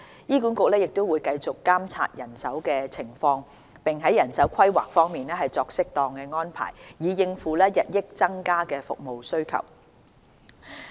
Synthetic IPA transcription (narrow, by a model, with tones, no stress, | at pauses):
jiː˥kuː˨˥nkʊ˨˧k̚lɛː˥jɪ˨k̚t̪o˥wuː˨˧jkɐ˧jt͡sʊ˨kːaː˥mt͡sʰa̰ː˧t̚jɐ˨˩nsɐ˨˥wkɛː˧t͡sʰɪ˨˩ŋfɔː˧ŋ | pɪ˨ŋɦɐ˨˥jɐ˨˩nsɐ˨˥wkʰɐ˥jwa̰ː˨˩k̚fɔː˥ŋmiː˨nɛː˥ɦɐ˨jt͡sɔː˧k̚sɪ˥k̚t̪ɔː˨˧ŋkɛː˧ŋɔː˥npʰa̰ː˨˩jjiː˨˩jɪ˧ŋfuː˨lɛː˥jɐ˨t̚jɪ˥k̚t͡sɐ˥ŋkaː˥kɛː˧fʊ̰˨k̚mo˨wsɵ˥ɥkʰɐ̰˨˩w